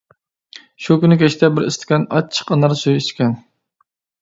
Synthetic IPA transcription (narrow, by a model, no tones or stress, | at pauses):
ʃukʲynɪkʲʰɛt͡ʃt̪ʰɛbɪɾɪ̰st̪ɪ̥kʲɛnɑ̰t͡ʃʰːə̥qənɑɾsujiʃkʲʰɛn